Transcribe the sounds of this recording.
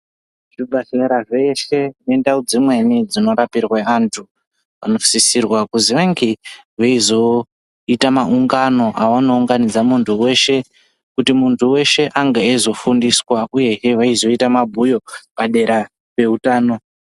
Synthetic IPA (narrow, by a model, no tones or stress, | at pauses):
ʐibʱaɬeɾaʐeʃe̞ne̞ndaud͡zimwe̞nid͡zino̞ɾapirwaantʰu | ʋa̰no̞fsisirwakuziʋaŋɡeʋaizo̞ | itamaʔuŋɡano̞ʔawano̞uŋɡanid͡zamuntʰuwe̞ʃe̞ | kutimuntʰuwe̞ʃe̞ʔaŋɡaezo̞fundiswauje̞eʋaizo̞itamabʱujo̞paɗe̞ɾa | pe̞utaːno̞